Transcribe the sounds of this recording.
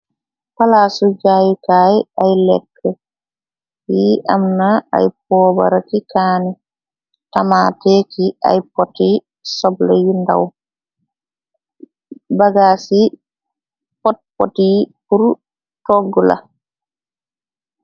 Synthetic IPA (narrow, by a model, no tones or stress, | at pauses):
palaːsud͡ʒaːjukaːjajlɛ̰kʰːɛ | iʔamnaa̰jp̚ɔːba̰ɾakikaːni | tamatekia̰jpɔtːi | sɔblɛjinda̰w | baɡaːsi | pɔt̚po̰tipuɾ | tɔɡːula̰